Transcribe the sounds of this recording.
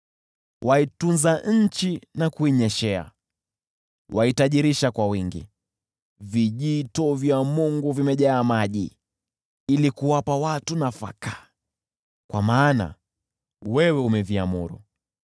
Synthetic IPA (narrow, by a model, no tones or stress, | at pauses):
wʔaitunzaɲ̩t͡ʃinakuiɲɛʃɛa̰ | waitaʄiɾiʃakwawiŋɡḭ | viʄitɔvjamuŋɡuvimɛʄaːmaʄi | ilikuwapawatunafa̰ka | kwa̰maːna̰ | wɛwɛumɛvia̰mṵɾṵ